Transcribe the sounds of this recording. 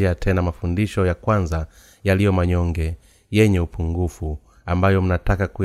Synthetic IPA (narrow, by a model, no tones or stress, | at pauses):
iatʰɛnamafundiʃɔjakwanza | jalijɔmaɲɔŋɡɛ | jɛɲɛupuŋɡufu | ambajɔm̩natakaku